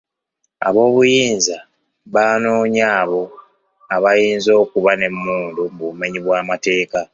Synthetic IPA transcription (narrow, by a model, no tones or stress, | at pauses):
a̰βo̞ːβujiːnza | βaːnoːɲaːβo̞ | aβajiːnzo̞ːkuβane̞mːuːndumbume̞ɲiβwaːmate̞ːka